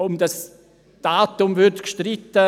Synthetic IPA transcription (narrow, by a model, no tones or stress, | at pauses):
ʊmdas | d̥aːtʊmvʏɾtkʃtrɪtːə